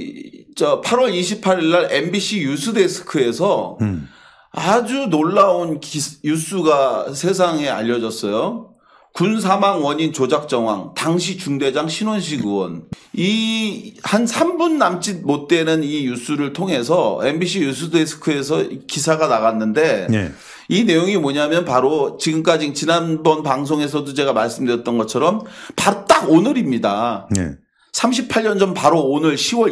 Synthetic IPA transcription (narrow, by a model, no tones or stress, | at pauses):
t͡ɕʌpʰaɾwʌɾiɕʰipʰaɾiɭːaɾembiɕ͈ʰijusʰɯdesʰɯ̥kʰɯe̞sʰʌ | a̰d͡ʑunoɭːaonkjus͈uɡasʰe̞s̬ʰaŋe̞a̰ʎːʌd͡ʑʌs͈ʌjo | kuns̬ʰamaŋwʌɲint͡ɕod͡ʑak̚t͡ɕ͈ʌŋwa̰ŋtaŋɕʰit͡ɕuŋde̞d͡ʑaŋɕʰinwonɕ̬ʰiɡuwʌ̰n | i | hansʰambunːamt͡ɕ͈imot̚t͈e̞nɯnijus͈ʰuɾɯɭtʰoŋɦe̞sʰʌembiɕʰijus̬ʰudʰesʰɯ̥kʰɯe̞sʰʌikisʰaɡanaɣanːɯnde̞ḛ | ine̞joŋimoɲaɦmjʌnpaɾot͡ɕiɡɯmk͈ad͡ʑit͡ɕinanbʌnpaŋs̬ʰoŋe̞s̬ʰʌdot͡ɕe̞ɡamaɭs͈ɯmdɯɾjʌt̚t͈ʌnɡʌt͡ɕʰʌɾʌmpaɾt͈aɡonɯɾimɲidaḛ | sʰamɕ̬ʰipʰaɭɲʌnd͡ʑʌnpaɾoonɯɭɕʰiwʌ